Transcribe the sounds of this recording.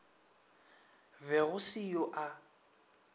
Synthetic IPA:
vɛɣʊsɪjoʔa

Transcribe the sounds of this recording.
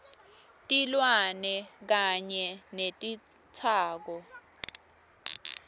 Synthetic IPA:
tʼilwanɛk̬aɲɛnetʼi | t͡sʰaːk̬ɔ

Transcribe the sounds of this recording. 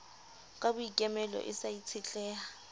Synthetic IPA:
kʼabʊikʼɛmɛlɔ̰ʔɪsait͡sʰɪt͡ɬʼɛːa

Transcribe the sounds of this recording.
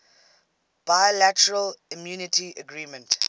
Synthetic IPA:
b̥aɪlætəɹəlɪmjuːnɪtʰiʔəɡɹiːmə̃nt

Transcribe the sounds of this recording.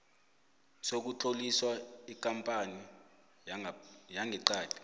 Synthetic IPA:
sok̬utʰoliswaik̬ʼampʼani | jaŋʱɛǃaːli̥

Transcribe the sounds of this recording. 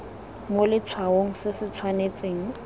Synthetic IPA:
molɪt͡sʰwaoŋ̩sɪsɪt͡sʰwanet͡sʼeːŋ̩

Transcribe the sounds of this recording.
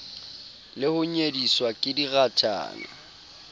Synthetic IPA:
lɪhʊɲediswakʼɪdiɣatʰʼa̰ːŋa̰

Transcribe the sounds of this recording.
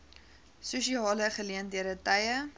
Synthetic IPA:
susiɑːləχəliəndiəɾətɐjə

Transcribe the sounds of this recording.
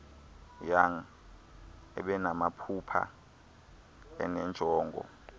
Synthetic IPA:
jaŋ̩ | ɛ̰ɓɛnamapʰupʰa̰ | ɛ̰nɛnd͡ʒʱɔːŋɡʱɔ̰

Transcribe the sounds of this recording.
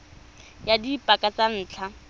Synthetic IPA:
jadipʼakat͡san̩ːt͡ɬʰa

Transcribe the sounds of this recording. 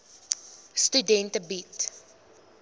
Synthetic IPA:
stydɛntəbit

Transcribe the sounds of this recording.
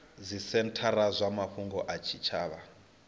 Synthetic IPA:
zʷisɛntʰaɾazʷamaɸuŋɡɔʔat͡ʃʰit͡ʃʰaːβa

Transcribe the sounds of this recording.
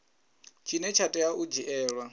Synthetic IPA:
t͡ʃʰinɛt͡ʃʰatʼɛjaʔud͡ʒiʔɛːɺwa

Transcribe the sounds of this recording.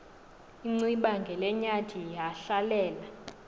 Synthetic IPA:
iŋ͡ǀiɓaŋɡʱɛlɛɲad̥ʱiɦaɬalɛːla

